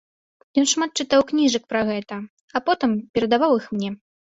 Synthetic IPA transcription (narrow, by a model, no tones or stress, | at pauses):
jɔnʂmat̪̚t͡ʂɨt̪awknʲiʐɐkpɾɐɣɛt̪ɐ | apɔt̪ɨmpʲɛɾɐd̪avawixmnʲɛ